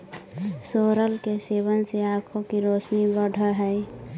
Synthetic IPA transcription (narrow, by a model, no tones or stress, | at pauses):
soːɾəlkeseβənseakʰokiɾoːt͡ʃnibəɖʱəɦɛɪ